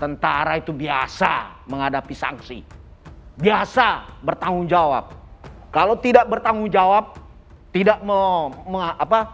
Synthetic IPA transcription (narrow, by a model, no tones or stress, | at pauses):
t̪ənt̪aɾait̪ubiasa̰məŋadapisa̰ŋsḭ | biasabərt̪aŋʊŋd͡ʒawa̰p̚kalowt̪idaʔ̚bərt̪aŋʊŋd͡ʒawap̚ | t̪idaʔməməapa